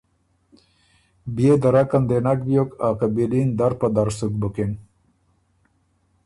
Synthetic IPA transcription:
bjed̪aɾakand̪enak̚bjokaqabilind̪aɾpad̪aɾsuk̚buken

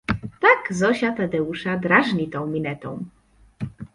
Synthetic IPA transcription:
t̪aɡzɔɕat̪ad̪ɛuʂad̪ɾaʐɲit̪ɔ̃w̃mʲilɛt̪ɔ̃w̃

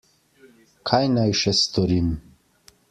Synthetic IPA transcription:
kʰajnajʃɛst̪ɔɾim

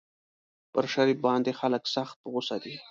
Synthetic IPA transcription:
pəɾʃaɾifbɑnd̪exaləksaxt̪̚pɣʊsad̪i

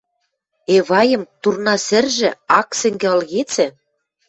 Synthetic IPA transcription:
eβɑjɤ̆mt̪urnɑsɘ̆rʒɘ̆ɑksɘ̆ŋɡĕɤ̆lɣet͡sɘ̆

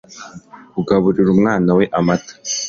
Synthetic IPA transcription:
uɡaβuɾiɾumŋaːnawe̞ʔamatḁ

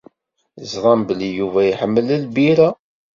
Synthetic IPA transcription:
zðˤɑmbəlijuvæjħəmːələlbiɾæ

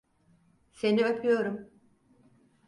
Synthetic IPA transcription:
se̞niøpʰyjo̞ɾum

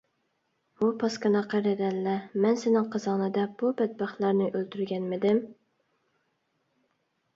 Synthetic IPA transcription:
bupʰɑskɑnɑqæɾɪd̪ɛlːɛmɛnsɪnɪŋqʰəzɑnɨd̪ɛb̥ubɛd̪̚bɑχt̪lˠɑɾnɪʔølt̪ʰyɾɡʲɛnmɪd̪ɪm

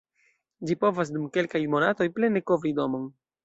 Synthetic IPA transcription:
d͡ʒipo̞vas̬dumke̞lkajmo̞nato̞jple̞ne̞ko̞vɾido̞mo̞n

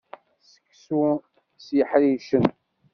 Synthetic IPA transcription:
sə̥kːsu | sjəħɾiʃən

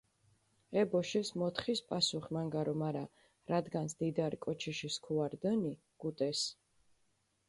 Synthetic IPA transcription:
ɛbɔʃismɔt̪ʰχispʼasuχmaŋɡaɾɔmaɾa | ɾad̪ɡansd̪id̪aɾikʼɔt͡ʃʰiʃiskʰuaɾd̪əni | ɡ̥ut̪ʼɛs

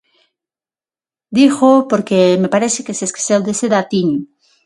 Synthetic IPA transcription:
d̪ixopoɾkemepaɾesekeseske̥seld̪eseðat̪iɲu

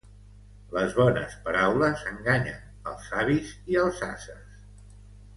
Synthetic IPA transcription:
ləzβɔnə̰spəɾawləsəŋɡaɲə̰n | ə̰lˠsaβiziəlˠzasəs

